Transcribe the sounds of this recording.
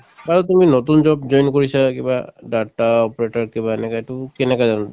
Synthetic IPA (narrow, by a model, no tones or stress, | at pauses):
baɾɔt̪̬uminot̪und͡ʒɔbd͡ʑɔjnkoɹisakĩba̰ɖaɾʈaɔpɔɾeʈaɾkibaɛnɛkaeʈukɛnɛkazano